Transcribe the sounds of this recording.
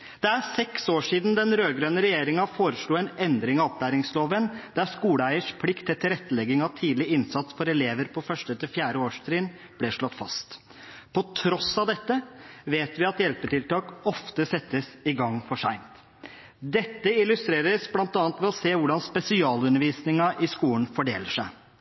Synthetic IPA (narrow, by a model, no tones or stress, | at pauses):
d̪̥ɛæɾsɛksoːʂiːd̪n̩d̪ɛnɾøːɡɾøːnəɾɛjeːɾɪŋɑfoːɾəʂɭuːɛnɛnd̪ɾɪŋɑɔp̚d̪æːɾɪŋsloːʋənd̪æɾskuːləæɪəʂpʰlɪkt̪ʰːɪt̪ʰːɪlɾɛt̪ːəlɛɡɪŋɑʋt̪ʰiːd̪lɪɪnsɑt̪sfɔɾɛleːʋəɾpʰɔfœʂʈət̪ʰɪfjæːɾəoːʂt̪ʰɾiːn | b̥lɪʂɭɔt̪ːfɑ̰st̪ | pʰɔt̪ʰɾɔsːɑʋd̪ɛt̪ːəʋeːt̪ʋɪɑt̪jɛlpəʈɪlt̪ɑːkɔft̪əsɛt̪ːəsɪɡɑŋːfɔʂæɪnt̪ | d̪ɛt̪ːəɪlʉst̪ɾeːɾəsblɑnt̪ɑːnt̪ʋɛɔseːʋʊɖɑnspɛsɪɑːlʉnːəɾʋiːsnɪŋɑʔɪskuːlən̩fɔɖeːləʂæɪ